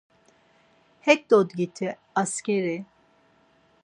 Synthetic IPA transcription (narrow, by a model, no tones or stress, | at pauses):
hɛk̚d̪ɔd̪ɡit̪ʰi | askʲɛɾi